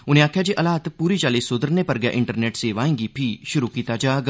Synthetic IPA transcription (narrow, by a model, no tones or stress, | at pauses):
unjãːkʰːjad͡ʑiʔɐlaːt̪puːɾit͡ʃaːlisod̪əɾnepəɾɡja̰ʔɪɳʈəɾneːʈseʋaːĩŋɡipʰiːʃuɾukiːt̪ad͡ʒaɡ